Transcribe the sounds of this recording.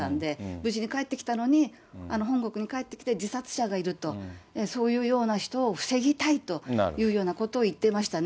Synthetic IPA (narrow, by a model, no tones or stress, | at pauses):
ãnd̪e̞bɯ̟ʑiɲ̟ikae̞t̪ːe̞kʲi̥t̪ano̞ɲ̟i | ano̞ɦõ̞ŋɡo̞kɯ̟ɲ̟ikaet̪ːe̞kʲi̥t̪e̞d͡ʑisat͡sɨ̥ɕaɡaiɾɯ̟t̪o̞eso̞ːjɯ̟ːjo̞ːnaçi̥t̪o̞ːɸɯ̟̥se̞ɡʲit̪ait̪o̞jɯ̟ːjo̞ːnakot̪o̞ːit̪ːe̞maɕi̥t̪an